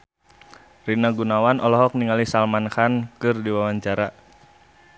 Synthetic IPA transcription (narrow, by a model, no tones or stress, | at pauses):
rinaɡunawanɔlɔɦɔk̚niŋalisalmankankɨrdiwawaɲt͡ʃaɾa